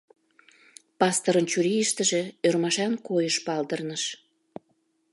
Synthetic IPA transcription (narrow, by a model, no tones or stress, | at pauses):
pɑst̪oɾənt͡ɕyɾiiʃt̪əʒĕørmɑʃɑnkojəʃpɑld̪ərnəʃ